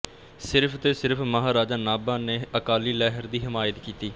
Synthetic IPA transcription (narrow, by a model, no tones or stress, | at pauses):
sɪɾpʰt̪eːsɪɾpməɦaːɾaːd͡ʒaːnaːbãːneːəkaːliːlɛːɦəɾd̪iːɦɪmaːjət̪kiːt̪iː